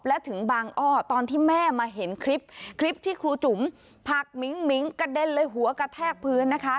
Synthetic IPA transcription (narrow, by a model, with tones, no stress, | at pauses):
p̚lɛ˦˥t̪ʰɯ˩˦ŋbaː˧ŋʔɔː˥˩t̪ɔː˧nt̪ʰiː˥˩mɛː˥˩maː˧ɦe˩˦nkʰɾi˦˥p̚kʰɾi˦˥p̚t̪ʰiː˥˩kʰɾuː˧t͡ɕu˩˦m | pʰa˨˩k̚mi˨˩˦ŋmi˩˦ŋka˧de˧nlɤː˧jɦu˩˦ɐka˧t̪ʰɛː˥˩k̚pʰɯː˧˥nːa˦˥kʰa˦˥